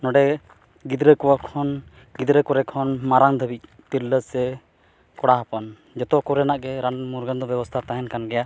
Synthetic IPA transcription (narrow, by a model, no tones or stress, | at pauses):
nɔɖɛ | ɡid̪ɾəkɔwakʰɔn | ɡid̪ɾəkɔɾɛkʰɔnmaɾaŋd̪ʱəbic̚ | t̪iɾləsɛ | kɔɽaɦapɔn | d͡ʒɔt̪ɔkɔɾɛnaʔɡɛɾanmuɾɡand̪ɔbɛbɔst̪ʰat̪aɦɛnkanɡɛja